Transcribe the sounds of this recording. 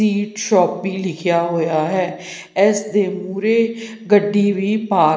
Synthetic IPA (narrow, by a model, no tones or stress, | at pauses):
iːʈʃɔːpʋiːlɪkʰjaːɦoːjaːɦɛː | ɛːsd̪eːmuːɾeː | ɡəɖːiːʋiːpaː